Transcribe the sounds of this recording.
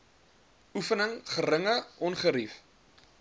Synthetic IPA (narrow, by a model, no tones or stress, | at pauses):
ufənəŋχəɾəŋəʔɔnχəɾif